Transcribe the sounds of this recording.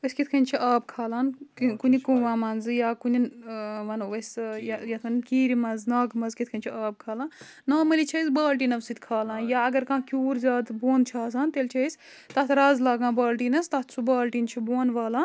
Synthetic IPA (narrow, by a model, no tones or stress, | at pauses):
ɐskit̪ʰkʰɐnʲt͡ʃʰiʔaːb̚kʰaːlaːnkkunikuʋãːmɐnzɨjaːkuninmɐnɐsʲjajɐt̪ʰkʰɐnkiːɾimɐnznaːɡmɐzkit̪ʰkʰɐnʲt͡ʃʰiaːb̚kʰaːlãːn | naːmɐlit͡ʃʰɐjsbaːlʈiːnɐʋsit̪ʲkʰaːlãːnjaɐɡɐɾkãːkʲuːɾzʲaːd̪boːnt͡ʃʰaːsãːnt̪elt͡ʃʰɐis | t̪ɐt̪ʰɾaːzlaːɡãːbaːlʈiːnɐst̪ɐt̪ʰt͡sʰubaːlʈiːnt͡ʃʰiboːnʋaːlãːn